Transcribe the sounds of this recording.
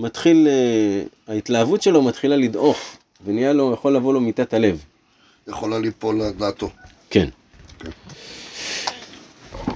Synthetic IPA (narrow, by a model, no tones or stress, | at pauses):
mat̪χileait̪laavutʃe̞lo̞mat̪χilalid̪ʔo̞χ | venijalo̞jaχolːavo̞lo̞mit̪at̪ale̞v | jeχolalipolad̪aːt̪o̞ | ken | k